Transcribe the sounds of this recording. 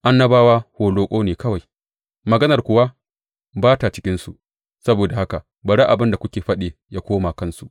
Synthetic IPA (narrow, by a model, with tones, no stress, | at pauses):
ʔa˦nːɐ˦baː˦waː˦hoː˨loː˦kʷʼoː˦neː˨kɐ˦wa˨j | mɐ˨ɡɐ˦nɐ˨rkʷʊ˨wa˦ | baː˦ta˨t͡ʃɪ̥˦kʲɪ˦nsu˨ʔ | sɐ˦boː˨da˨ha˦ka˨ | bɐ˨ɽa˦ʔa˨bɪ˦nda˨kʷʊ˦kʲeː˨ɸɐ˦ɗeː˨ja˦kʷoː˦maː˨kɐ˦nsu˨ʔ